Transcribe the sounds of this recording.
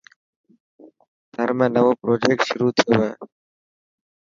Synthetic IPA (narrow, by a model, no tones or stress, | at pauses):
t̪əɾmẽnəʋoːpɾoːd͡ʒeːk̚ʈʃʊɾuːt̪ʰɪjoeː